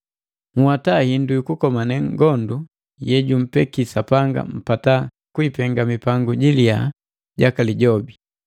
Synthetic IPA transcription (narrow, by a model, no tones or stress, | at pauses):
ŋ̩hwatahindujukukɔmanɛŋɡɔndu | jɛɟum̩pɛkisapaŋɡa̰m̩pata | kuipɛŋɡamipaŋɡuɟilia | ɟakaliɟɔbi